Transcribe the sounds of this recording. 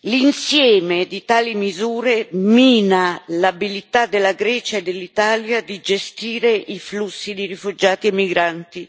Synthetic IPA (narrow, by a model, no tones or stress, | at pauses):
linsjɛːmed̪it̪aːlimizuːɾemiːnalabilit̪ad̪ːelːaɡɾɛt͡ʃaed̪ːelːit̪aːljad̪id͡ʒest̪iːɾeʔiflusːid̪ejɾifud͡ʒaːt̪iemːiɡɾant̪i